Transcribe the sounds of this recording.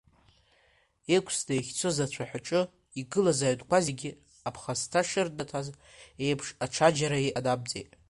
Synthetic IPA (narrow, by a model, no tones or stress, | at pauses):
ekʷʰsdajχʲt͡sʰozat͡ɕʷʰaħʷᶣaʈ͡ʂʼɨ | iɡɨlazaːɥdkʷʰaziɡʲɪ | apʰχastʰaʂɨrdatʰaz | e̞jpʰʂaʈ͡ʂʰad͡ʒaɾaiʔadab̚d͡zejtʼ